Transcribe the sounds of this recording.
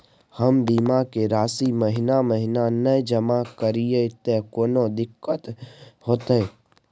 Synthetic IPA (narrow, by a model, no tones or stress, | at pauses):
həmbiːmakeɾaːsiməɦɪnaməɦɪnanəjd͡ʒəmakəɾijet̪ekoːnod̪ɪkːət̪hoːt̪e